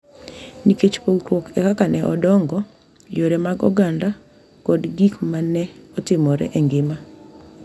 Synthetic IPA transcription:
niket͡ʃpoɡɾwokɛkakanɛʔɔdɔŋɡɔ | joɾɛmaɡɔ̰ɡanda | kɔdɡikmanɛɔtɪmɔɾɛ̰ʔɛŋɡɪma

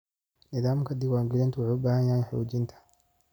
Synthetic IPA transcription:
nɪðaːmkʰɐd̪ɪɡwaːŋɡɪɾɛnt̪ʰʊwʊħːʊbaːhɐnjahɐjħɔ̰ːd͡ʒɪnt̪ʰɐ̥

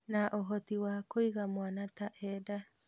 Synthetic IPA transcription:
naʔoɦɔtiwakoiɣamwanataʔɛda

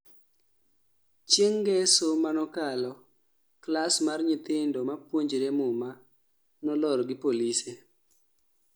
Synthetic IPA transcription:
t͡ʃeŋɡɛsomanɔkalɔ | klasmarɲɪt̪ɪndɔmapwoɲd͡ʒɾemʊma | nɔlɔɾɡɪpolise

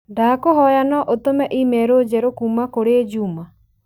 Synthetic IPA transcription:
daːkoɦɔjanɔʔot̪omɛʔimɛɾod͡ʒɛɾokuːmakoɾeed͡ʒuːma

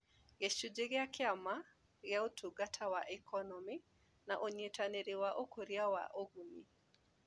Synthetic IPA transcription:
ɡet͡ʃud͡ʒeɡɪakʰɪama | ɾjautʰuɡatʰawaʔɛkʰɔnɔmi | naʔoɲetaneɾewaʔokoɾjawa̰ʔoɡuni

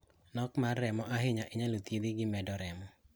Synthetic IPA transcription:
nɔkmarːɛmɔʔaɦɪɲaʔɪɲalot̪jed̪ɪɡɪmɛdɔɾɛmɔ

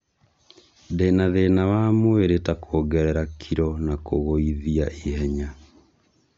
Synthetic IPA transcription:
ðenaðenawamweɾetakʰoːɡɛɾɛɾakʰiɾɔnakoɣoiðiaʔiɦɛɲa

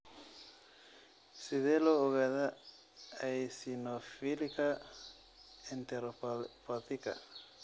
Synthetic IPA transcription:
siðelouɣaða | ajsinofilika | ent̪eɾopɔt̪ika̰

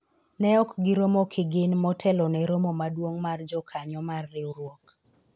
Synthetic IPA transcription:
nɛɔkɡɪɾomokʰɪɡɪnmɔtʰɛlɔnɛɾomomadwoŋmard͡ʒɔkʰaɲɔmarːɪuɾwok

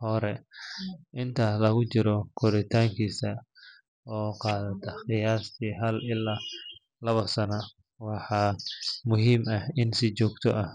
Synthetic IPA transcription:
hɔɾɛ | ʔɪnt̪ʰalɐɣʊt͡ʃɪɾɔkʰʊɾɪt̪ʰaːŋkʰiːsɐ | ɔːqɑːðɐt̪ʰɐχɪjaːst̪ʰiːɦɐlɪlːaː | lɐβɐsɐnɐ | wɑħɑːmʊɦiːmɐhɪnsɪt͡ʃɔːɡt̪ʰɔʔɐh

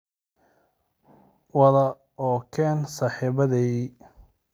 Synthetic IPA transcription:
wɐðɐ | ɔːkʰɛːnsɑːħiβɐðɛj

